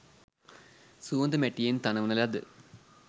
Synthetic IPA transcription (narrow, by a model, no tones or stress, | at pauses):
suʋɐnd̪ɐmeʈːijɐint̪ɐnɐʋɐnːɐlɐd̪ɨ